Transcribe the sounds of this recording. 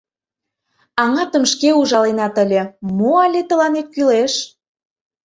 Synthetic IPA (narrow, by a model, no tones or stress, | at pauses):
ɑŋɑt̪ə̆mʃkeuʒɑlenɑt̪ə̆lʲĕmoɑlʲet̪ə̆lɑnet̪̚kyleʃ